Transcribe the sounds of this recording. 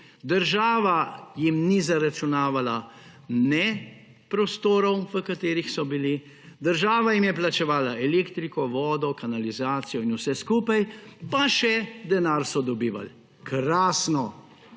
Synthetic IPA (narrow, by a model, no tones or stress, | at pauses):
d̪əɾʒaːʋajimnizaɾat͡ʃunaːʋala | nɛ | pɾɔst̪oːɾɔwʋəkat̪eːɾixsɔbili | d̪əɾʒaːʋajimjɛplat͡ʃɛʋaːlaʔɛleːkt̪ɾikɔʋɔːd̪ɔkanalizaːt̪sijɔinusɛskuːpajpaʃɛd̪ɛnaːɾsɔd̪ɔbiːʋa̰l | kɾaːsnɔ